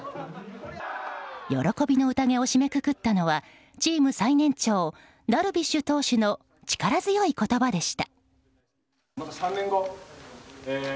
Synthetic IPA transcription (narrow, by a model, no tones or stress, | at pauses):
jo̞̰ɾo̞ko̞bʲino̞ɯ̟t̪aŋe̞o̞ɕime̞kɯ̟kɯ̟t̪ːano̞β̞a | t͡ɕiːmɯ̟sainẽ̞ɲ̟t͡ɕo̞ː | d̪aɾɯ̟bʲiɕɨt̪o̞ːɕɨno̞ | t͡ɕi̥kaɾazɨjo̞iko̞t̪o̞bad̪e̞ɕi̥t̪ḁ | mat̪asãnːẽŋɡo